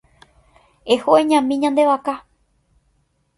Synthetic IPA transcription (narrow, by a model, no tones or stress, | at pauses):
ehoẽɲãmĩɲãnd̪e̞ʋaka